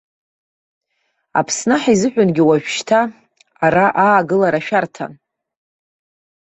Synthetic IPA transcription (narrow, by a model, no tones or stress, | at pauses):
a̰pʰsnaħaizɨħʷᶣʊnɡʲiwaʒᶣʃtʰaː | ɾaʔaːɡɨlaɾaʃᶣartʰa̰n